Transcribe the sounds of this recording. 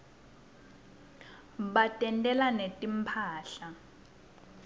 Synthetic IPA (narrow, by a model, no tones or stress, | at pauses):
ɓatʼɛntʼɛlanetʼimpʰaːɬa